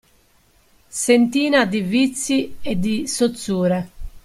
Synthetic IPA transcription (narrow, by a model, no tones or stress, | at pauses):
sent̪iːnad̪ivit̪sːiɛd̪isot̪sːuːɾɛ